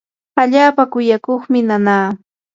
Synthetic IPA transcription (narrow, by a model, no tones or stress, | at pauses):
aʎaːpakʊjakoχmɪnanaː